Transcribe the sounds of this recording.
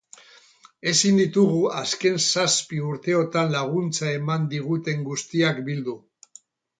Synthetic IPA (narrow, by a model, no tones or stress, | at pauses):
e̞sind̪it̪uɣuaske̞nsaspiuɾt̪e̞o̞t̪anlaɣ̞unt͡sae̞mand̪iɣut̪e̞ŋɡust̪iakbild̪u